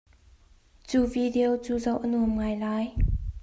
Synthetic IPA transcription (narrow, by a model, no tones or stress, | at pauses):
t͡suvideot͡suzowʔənumŋajlaj